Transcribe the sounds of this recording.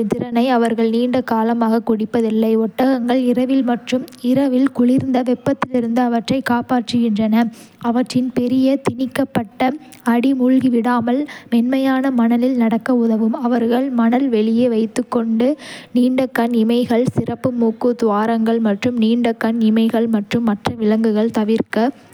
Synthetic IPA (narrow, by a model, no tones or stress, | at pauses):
t̪ɪɾɐnɐɪɐʋɐɾɣɐɭniːɳɖɐkːaːlɐmaːɣɐkːʊɽɪpːɐðɪlːɐɪɔʈːɐɣɐŋɡɐɭɪɾɐʋɪlmɐʈrɯmɪɾɐʋɪlkʊɭɪɾnd̪ɐʋɛpːɐt̪ːɪlɪɾɯnd̪ɯɐʋɐʈrɐɪkaːpaːʈrɯɣɪndrɐnɐ | ɐʋɐʈrɪnpɛɾɪjɐt̪ɪnɪkːɐpːɐʈːɐ | ɐɽimʊɻɣiʋɪɽaːmɐlmɛnmɐjaːnɐmɐnɐlɪlnɐɽɐkːɐʊðɐʋɯmɐʋɐɾɣɐɭmɐnɐlʋɛɭɪjeːʋɐɪt̪ːɯkːɔɳɖɯniːɳɖɐkːɐnɪmɐɪɣɐɭsɪrɐpːɯmuːkːɯt̪ʊʋaːɾɐŋɡɐɭmɐʈrɯmniːɳɖɐkːɐnɪmɐɪɣɐɭmɐʈrɯmːɐʈrɐʋɪlɐŋɡɯɣɐɭt̪ɐʋɪɾkɐ